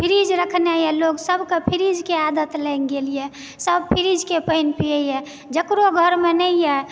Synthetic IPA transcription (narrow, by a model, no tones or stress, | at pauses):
pʰiɾid͡ʒɾəkʰnejɛloɡsəbʱkepʰiɾid͡ʒkead̪ət̪lɛnɡelijɛ | səbpʰiɾid͡ʒkepəinpijəjɛ | d͡ʒəkɾoɡʱəɾmenəijɛ